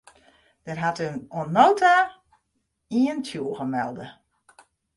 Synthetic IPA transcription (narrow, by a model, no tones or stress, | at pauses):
d̥ɛrɦatənonoːta | iəntʰjuəɣəmɛ̰lˠdə